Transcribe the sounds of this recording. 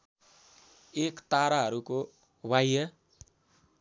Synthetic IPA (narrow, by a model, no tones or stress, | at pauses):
ekt̪aɾaɦʌɾuko | wajjʌ